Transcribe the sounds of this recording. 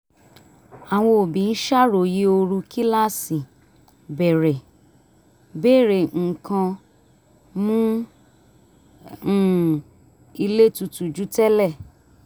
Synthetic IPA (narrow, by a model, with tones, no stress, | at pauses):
a˨w̃ɔ̃˧o˨bĩ˨˧n̩˦ʃa˦ɾo˨je˨˦o˧ɾu˧kʰi˦la˦˨si˨ | bɛ˨ɾɛ˨ | be˦˨ɾe˨ŋ̩˨kã˧ | mũ˦˨ | i˧le˦˨tu˧tu˨d͡ʒu˨˦tɛ˦lɛ˦˨